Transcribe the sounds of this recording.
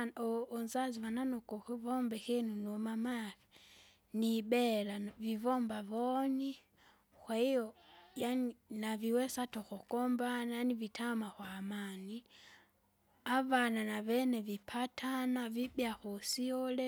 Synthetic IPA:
ɔːnzazivananɔkɔxɛvɔmbɛxɛnunɔmamaθi | nibɛlavivɔmbavɔni | kwaijɔjaninaviwɛsatɔxɔkɔmbanaanivitʰamaxwaːmani | avananaβɛnɛvipʰatʰanavibjaxɔsiɔlɛ

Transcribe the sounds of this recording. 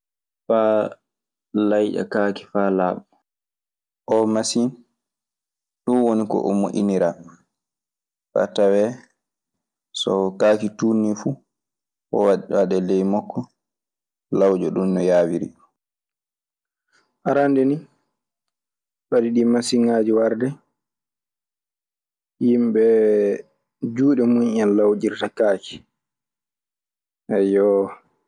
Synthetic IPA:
faː | lajʔa̰kaːki̥faːlaːɓɔ | ʔɔmasin | ɗunwonikɔ̰ʔɔmuʔʲiniɾa | fa̰tawɛ | sɔkaːkituːnːifu | ʔɔ̰waɗaɗɛlɛjmɔkʰːɔ | lawd͡ʒɔɗumnɔjaːwiɾi | ʔaɾandɛni | ɓaɗiɗimasiŋaːd͡ʒiwaɾdɛ | jimɓɛ | d͡ʒuːɗɛmuɲɛnlawd͡ʒiɾtakaːki̥ | ʔɛjɔ

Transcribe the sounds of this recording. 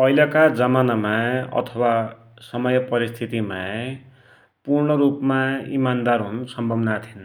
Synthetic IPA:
pʌilʌkad͡zʌmanamaʌ̰t̪ʰʌwa | sʌmʌjʌpʌɾist̪ʰit̪ima | purɳʌɾupmaḭmand̪arɦunsʌmbʱʌbnat̪ʰin

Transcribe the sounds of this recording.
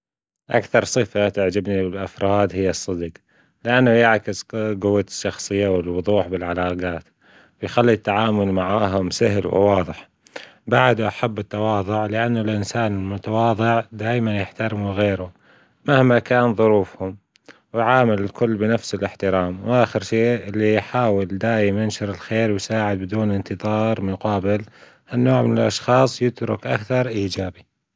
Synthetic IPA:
ʔa̰kθɑɾˤsˤɨfat̪ɪʕd͡ʒabnibɪlʔafɾˤɑːd̪hɪjːasˤːɨd̪q | lɪʔanːʊjaʕkɪsɡʊwːaʃːɑxsˤɨjːawɪlwʊðˤuːħbɪlʕalaːqɑːt̪ | wɪjxalːit̪ːaʕaːmʊlmaʕaːɦʊmsaɦlwɪ̰wɑːðˤɨħ | baʕd̪uʔaħabːɪt̪ːɑwɑːðˤʊʕlɪʔanːalʔɪnsaːnɪlmʊt̪awɑːðˤɨʕd̪aːjmanjɪħt̪aɾɪmuɣeːɾʊ | mahmakaːnðˤʊɾuːfhʊm | wɪʕaːmɪlɪlkʊlːbɪnafsɪlʔɪħt̪ɪɾaːmwʔaːxɪɾʃeːʔɪlːijħaːwɪld̪aːjmɪnʃɪɾɪlxeːɾwjsaːʕɪd̪̚bɪd̪uːnɪnt̪ɨðˤɑːɾˤmʊqɑːbɪl | hanːoːʕmɪnalʔɑʃxɑːsˤjɪt̪ɾʊkʔa̰kθɑɾˤʔiːd͡ʒaːbi

